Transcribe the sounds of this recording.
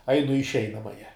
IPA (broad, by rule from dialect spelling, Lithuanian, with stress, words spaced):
ˈɐɪnʊ ɪ ɪʃʲˈɛɪnɐmɐjɛ